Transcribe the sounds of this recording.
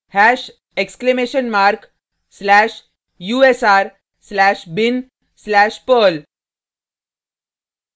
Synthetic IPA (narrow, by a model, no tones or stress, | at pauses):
hæːʃ | eksklemeːʃənmaːɾk | slɛːʃ | juːesaːɾ | slɛːʃbɪn | slɛːʃpəːl